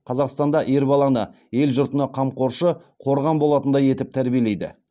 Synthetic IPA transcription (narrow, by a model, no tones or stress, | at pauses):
qʰɑzɑqst̪ɑnd̪ɑʔe̞ɾbɑlˠɑnə | je̞lʒʊɾt̪ənɑqʰɑmqo̞ɾʃə | qʰo̞ɾʁɑnbo̞lˠɑt̪ənd̪ɑje̞t̪ɪp̚t̪ʰæɾbie̞lejd̪ɪ̰